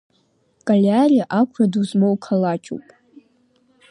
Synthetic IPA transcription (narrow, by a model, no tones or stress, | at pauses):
kʼalʲariaʔakʷʰraduzmowkʰalat͡ʃʰʼṵpʼ